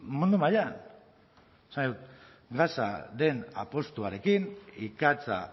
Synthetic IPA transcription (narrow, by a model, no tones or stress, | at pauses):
mũnd̪umajan | esandiðut̪ | ɡasa̰ðe̞na̰po̞st̪uaɾe̞kinikat͡sa̰